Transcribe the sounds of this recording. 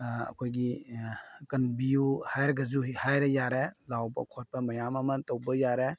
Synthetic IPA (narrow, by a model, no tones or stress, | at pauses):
ɐ̰kʰojɡi | kɐnbiuhajɾɐɡɐzuɦihajɾejaɾelawbɐ̰kʰɔt̚bɐmɐjamɐmɐtowbɐjaɾe